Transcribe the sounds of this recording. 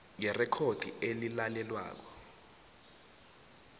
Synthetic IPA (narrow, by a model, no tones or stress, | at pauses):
ŋɛrɛkʰod̥ʱḭelilalɛlwa̰ːk̬ɔ̥